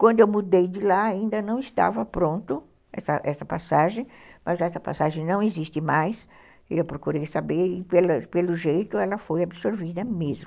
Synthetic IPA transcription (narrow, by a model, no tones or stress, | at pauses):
kwɐ̃nd̪ʊewmud̪ejd͡ʒɪlaaĩnd̪ɐnɐ̃w̃ɪst̪a̰vɐpɾõnt̪ʊ | ɛ̰sɐʔɛsɐpasaʒẽj̃mʔɐzɛsɐpa̰saʒẽj̃nɐ̃w̃ezist̪ɪmajs | ɪewpɾokuɾejsabeɾɪpelɐpelʊʒejt̪ʊɛlɐfojabisoɾvid̪ɐmezmʊ